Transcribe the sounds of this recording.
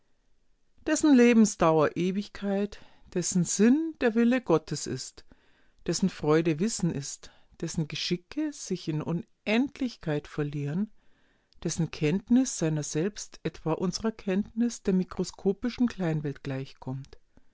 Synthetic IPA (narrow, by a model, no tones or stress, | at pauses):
d̥ɛsn̩leːbm̩sd̥aʊɐʔeːvɪçkʰaɪt | d̥ɛsn̩zɪnd̥eːɐvɪləɡɔtʰəsɪ̰st | d̥ɛsn̩fʁ̥ɔʏdəvɪsn̩ʔɪst | d̥ɛsn̩ɡəʃɪkʰəz̥ɪçɪnʔʊn | ʔɛntʰlɪçkʰaɪtfɛɐliːʁən | d̥ɛsn̩kʰɛntnɪsz̥aɪnɐzɛlpstʔɛtv̥aːʔʊnzəʁɐkʰɛntnɪsd̥eːɐmikʁ̥oskʰoːpɪʃn̩kl̥aɪnvɛlt̚ɡ̥laɪçkʰɔmt